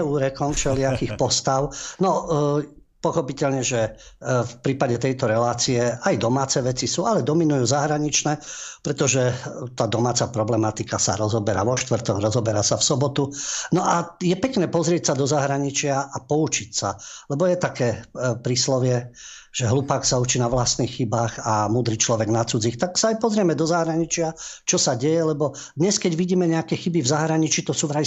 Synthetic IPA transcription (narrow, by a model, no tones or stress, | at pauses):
ɛuːɾɛkɔmft͡ʃɛlɪakixpɔst̪aʊnɔ | pɔxɔpicɛʎɲɛʒɛ | fpɾiːpaɟɛt̪ɛjt̪ɔɾɛlaːt͡siɛajd̪ɔmaːt͡sɛʋɛt͡sisuːalɛd̪ɔminujuːzaɦɾaɲit͡ʃnɛːpɾɛt̪ɔʒɛt̪aːd̪ɔmaːt͡sapɾɔblɛmat̪ikasa̰ɾɔzɔbɛɾa̰ʋɔʃt̪ʋr̩t̪ɔɡɾɔzɔbɛɾasafsɔbɔt̪unɔʔajɛpɛknɛːpɔzɾɪɛcsad̪ɔzaɦɾaɲit͡ʃɪaʔapɔut͡ʃicsa̰lɛbɔjɛt̪akɛːpɾislɔʋɪɛ | ʒ̥ɛɦlupaːksaut͡ʃiːnaʋlast̪niːxxibaːxamuːd̪ɾit͡ʃlɔʋɛɡnat͡sud͡zixt̪aksaajpɔzɾɪɛmɛd̪ɔzaɦɾaɲit͡ʃɪat͡ʃɔsaɟɛjɛlɛbɔ | d̪ɲɛskɛɟʋiɟiːmɛɲɛakɛxibivzaɦɾaɲit͡ʃiːt̪ɔsuːʋɾa